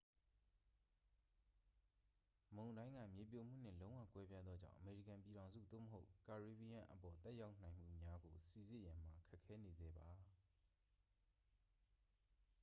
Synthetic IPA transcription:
mõ˨ʊ̃ndã˦ɪ̃ŋɡä̰˦˨mje˨p̬jo˨m̥ṵ˦˨n̥ɪ̰̃˦˨lõ˦ʊ̃wä̰˦˨kwɛ˦bja˦d̪ðɔ˦d͡ʑã̰˦˨ʊʔə˨me˨ɹḭ˦˨kã˨mpi˨ɾã˨ʊ̃nzṵ˦˨d̪o̰˦˨mə˨ɦo˦ʊka˨ɹi˨bi˨ã˨ʔə˨pɔ˨t̪ɛ˦ja˦ʊn̥ã˨ɪ̃m̥ṵ˦˨mja˦ɡo˨si˦˨zɪ˦˨jã˨m̥a˨kʰɛ˦ʔkʰːɛ˦ne˨zɛ̰˦˨ba˨

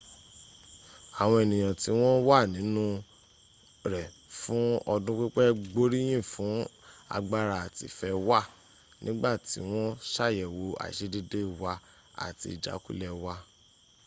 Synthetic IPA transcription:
a˨w̃ɔ̃˧e˨nĩ˨j̃ã˨ti˨˦w̃ɔ̃˦wa˦˨nĩ˨˦nũ˦ | ɾɛ˨ | fũ˨˦ɔ˧dũ˦k͡pi˦k͡pɛ˦ɡ͡bo˦ɾi˦j̃ĩ˦˨fũ˨˦a̰˧ɡ͡ba˦ɾa˧a˨tḭ˨fɛ˧wa˦˨ | nĩ˦ɡ͡ba˦˨ti˨˦w̃ɔ̃˦ʃa˦˨jɛ˨wo˧a̰˨i˨ʃe˦di˦de˦˨wa˧ | a̰˨ti˧i˨d͡ʒa̰˨˦kṵ˦lɛ˦˧wa˧˦

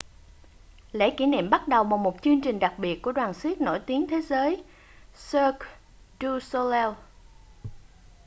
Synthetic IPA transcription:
lḛ˧˥kḭ˧˩nḭ˧˨mɓa˦˥t̚ɗə˨˩wvaː˨˩wmo˨˩t̚t͡ɕɨ˧əŋt͡ɕï˨˩ŋ̟ɗa˨˩k̚ɓi˨˩ət̚ku˧˩əɗwaː˨˩nswi˦˥k̚no̰˧˩jt̪i˨˦əŋt̪ʰe˨˦zəː˨˦j | səː˧k | zu˧so˧lɛ˧w

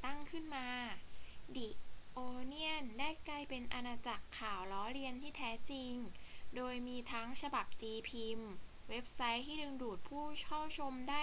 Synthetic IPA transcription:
t̪a˥˩ŋkʰɯ˥˩nmaː˧ | di˨˩ʔoː˧ni˥˩əndaː˥˩jkla˧jpe˧nʔa˧naː˧t͡ɕa˨˩kʰːaː˨˩wlɔː˦˥ɾi˧ənt̪ʰiː˥˩t̪ʰɛː˦˥t͡ɕi˧ŋdoː˧jmiː˧t̪ʰa˦˥ŋt͡ɕʰa˧ba˨˩p̚t͡ɕiː˧pʰi˧m | we˦˥p̚sa˦˥jt̪ʰiː˥˩dɯ˧ŋduː˨˩t̪̚pʰuː˥˩t͡ɕʰɔ˥˩wt͡ɕʰo˧mdaː˥˩

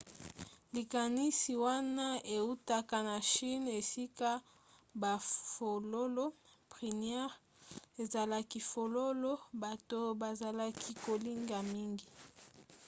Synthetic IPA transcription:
li˨ka˨ni˦si˨wa˦na˦e˨u˦ta˦ka˨na˨ʃi˦ne˨si˦ka˦ | ba˨fo˨lo˦lo˦pʁi˨n˦ɛ˦ʁ | e˨za˨la˦ki˦fo˨lo˦lo˦ba˨to˦ba˨za˨la˦kʰi˦ko˨li˦ŋɡa˨mi˦ŋɡi˨

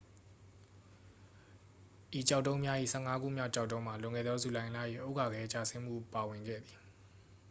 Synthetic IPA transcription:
ʔi˨t͡ɕa˦ʊtːõ˦ʊ̃mja˦ʔḭ˦˨sʰɛ̰˦˨ŋa˦ɡṵ˦˨mja̰˦ʊt͡ɕa˦ʊtːõ˦ma˨lʊ̃˨ŋɛ̰˦˨d̪ɔ˦zu˨lã˨ɪ̃ʔla˦˨jḭ˦˨ʔo˦ʊka˨ɡɛ˦t͡ɕa̰˦˨sɪ̃˦m̥ṵ˦˨pa˨wɪ̃˨ŋɡɛ̰˦˨d̪ði˨

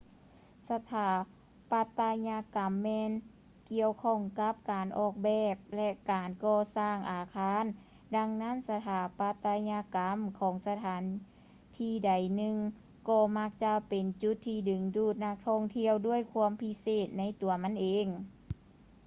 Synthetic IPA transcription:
sa˧t̪ʰaː˨˦ | pa˧t̪ːa˧ɲa˧ka˨˩mːɛː˧n | ki˧əwkʰɔː˧˥˩ŋka˧˦p̚kaː˨nʔɔː˧˩k̚bɛː˧˩p̚lɛ˧kaː˨nkɔː˧saː˧˩ŋʔaː˨˩kʰaː˧˥˨n | da˧ŋna˧˥˨nsa˧t̪ʰaː˨˦pa˧t̪ːa˧ɲaː˧ka˨˧˦mkʰɔː˨˦ŋsa˧t̪ʰaː˨˦n | t̪ʰiː˧˩da˨˩jnɯ˧ŋ | kɔː˧˩ma˧˥k̚t͡ɕa˧pe˨nt͡ɕu˧˦t̪ʰːiː˧˩dɯ˨˩ŋduː˧˩t̪̚na˧˥k̚t̪ʰɔ˧˥˩ŋt̪ʰi˧əwdu˥˩əjkʰu˧˥˧əmpʰi˧˥seː˧˩t̪̚na˧˥˨jt̪u˨˩ɐma˧˥˨nʔeː˨˧ŋ

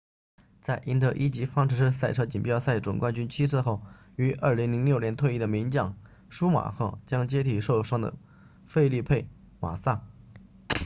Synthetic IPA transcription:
t͡sa˥˩ɪʔi˧˥nt̪ɤ˧˥ʔi˥t͡ɕi˧˥fɑ˥ŋʈ͡ʂʰɻ̩˧˥ʂɻ̩˥˧sa˥˩ɪʈ͡ʂʰɤ˥t͡ɕi˨˩npjɑ˥˧ʊsa˥˩ɪʈ͡ʂʊ˨˩ŋkwa˥˧nt͡ɕy˥nt͡ɕʰi˥t͡sʰɹ̩˥˧xo˥˩ʊ | y˧˥ʔə˞˥˩li˧˥ŋli˧˥ŋljo˥˩ʊnjɛ˧˥nt̪ʰwe˥˧ɪi˥˩d̪ə˩mi˧˥ŋt͡ɕjɑ˥˩ŋ | ʂu˥ma̰˨˩xɤ̰˥˩t͡ɕjɑ˥ŋt͡ɕjɛ˥t̪ʰi˨˩ʂo˥˩ʊʂwɑ˥ŋd̪ə̰˨˩ | fe˥˧ɪli˥˧pʰe˥˩ɪ | ma̰˨˩sa˥˩

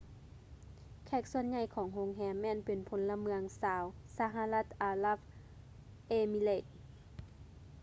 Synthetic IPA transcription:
kʰɛː˧˩k̚su˧ənɲa˧˩jkʰɔː˨˩˦ŋɦo˧˥ŋɦɛː˧˥mːɛː˧˥˨npe˨npʰo˨˦nla˧mɯ˧əŋsaː˨˦wsa˧ɦa˧la˧˥˩t̪̚ʔaː˧la˧˥˩p̚ | ʔeː˧mi˧˨le˧˨t̪̚

